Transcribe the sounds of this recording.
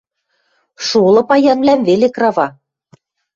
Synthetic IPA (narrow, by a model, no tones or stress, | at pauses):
ʃulˠɤ̆pɑjɑnvlæmvelekrɑvɑ